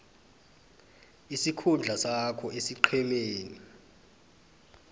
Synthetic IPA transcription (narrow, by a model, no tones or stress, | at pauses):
isikʰund͡ɮʱasakʰɔʔesiǃʰɛmɛːna